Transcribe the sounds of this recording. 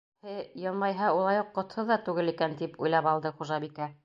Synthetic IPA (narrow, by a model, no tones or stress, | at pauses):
hɘjɤlˠmɑjɦɑulˠɑjuqːŏt̪hɤðɑt̪ʉɡɘlikænt̪ipṵjlˠɑpɑlˠd̪ɤχuʒɑbikæ